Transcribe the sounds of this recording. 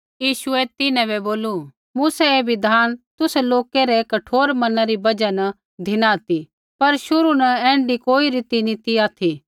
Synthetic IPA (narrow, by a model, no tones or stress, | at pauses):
jiːʃʊɛt̪ɪnɛ̃bɛboːlu | muːsɛebʱid̪ʱaːnt̪ʊsɛloːkeɾɛkɐʈʰoːɾmɐnaɾibɐd͡ʒanɐ | d̪ʱɪnat̪i | pɐɾʃʊɾunɐɛ̃ːɳɖikoːiɾit̪init̪iaːt̪ʰi